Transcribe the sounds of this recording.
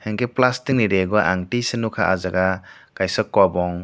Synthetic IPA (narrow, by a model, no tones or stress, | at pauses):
heŋkeplastiŋniɾeɡɔʔa̰ŋtisenukʰaʔazaɡaɡ̥ajsəkːwabɔŋ